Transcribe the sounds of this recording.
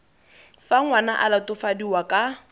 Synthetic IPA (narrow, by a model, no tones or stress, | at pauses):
faŋwanaʔalatʊfadiwakʼa